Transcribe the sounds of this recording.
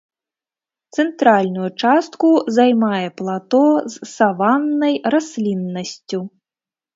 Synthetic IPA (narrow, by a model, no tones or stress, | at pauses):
t̪sɛnt̪ɾalʲnujut͡ʂast̪kuzajmajɛplˠat̪ɔzːavanːɐjrasʲlʲinːɐsʲt͡sʲu